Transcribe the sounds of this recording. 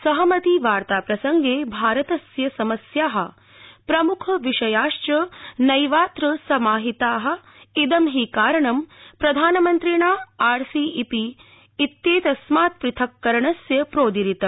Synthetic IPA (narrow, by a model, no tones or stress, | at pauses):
sɐɦɐmɐt̪iʋaːɾt̪aːpɾɐsɐŋɡeːbʱaːɾɐt̪ɐsjɐsɐmɐsjaːɦɐ̆ | pɾɐmukʰɐʋiʂɐjaːʂt͡ʃɐnɐjʋaːt̪ɾɐsɐmaːɦit̪aːɦɐ̆ | id̪ɐmɦiːkaːɾɐɳɐmpɾɐd̪ʱaːnɐmɐnt̪ɾiːɳaːaːɾsiːipiː | t̪ːeːt̪ɐsmaːt̪̚pɾɪt̪ʰɐkːɐɾɐɳɐsjɐpɾoːd̪iɾit̪ɐ